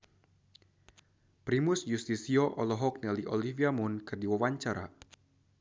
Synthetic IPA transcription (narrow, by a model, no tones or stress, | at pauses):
pɾimusjust̪isiɔʔɔlɔɦɔk̚nɛliʔɔliviamunkɨrdiwawaɲt͡ʃaɾa̰